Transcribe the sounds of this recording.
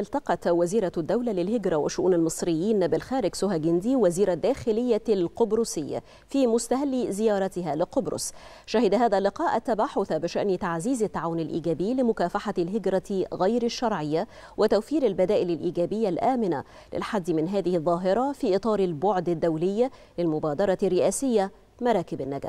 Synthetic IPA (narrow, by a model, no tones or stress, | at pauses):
ʔɪlt̪ɑqɑt̪waziːɾɑd̪ːawlalɪlɦɪɡɾˤɑwɪ̰ʃːʊʔṵːnalmɨsˤɾɪjːiːnːabɪlxæːɾɪɡsʊɦaɡɪnd̪iwaziːɾad̪ːæːxɪlɪjːalqʊbɾʊsɪjːa̰ | fiːmʊst̪aɦalːizɪjɑːɾˤɑt̪ɪɦalɪqʊbɾʊ̰s | ʃahɪd̪aɦæːðælːɪqɑːʔat̪ːabaħʊθabɪʃa̰ʔnɪt̪aʕziːzat̪ːaʕaːwʊnalʔḭːɡæːbɪːlɪmʊkæːfaħalɦɪɡɾˤɑɣajɾaʃːɑɾˤʕɪjːa | wɪt̪awfiːɾalbad̪æːʔɪlɪlʔiːɡæːbɪjːalʔæːmɪna | lɪ̰lħad̪ːɪmɪnɦæːðɪhɪðˤːɑːɦɪɾˤɑfiːʔɨt̪ˤɑːɾɪlbʊʕd̪ad̪ːawlɪjːa | lɪlmʊbaːd̪ɑɾˤɑrːɪʔæːsɪjːa | mɑɾˤɑːkɪbanːaɡa̰ː